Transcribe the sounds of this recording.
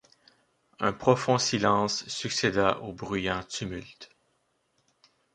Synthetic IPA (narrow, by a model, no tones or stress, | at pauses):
ɛ̃pχɔfɔ̃silɑ̃sːyksed̪aʔobʁyjɑ̃t̪ʰymylt̪